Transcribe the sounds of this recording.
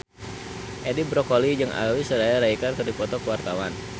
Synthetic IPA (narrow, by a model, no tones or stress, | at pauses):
ʔɛdibɾɔkolid͡ʒɨŋʔa̰wisəɾajaɾaikarkərdipɔt̪ɔkəwart̪awan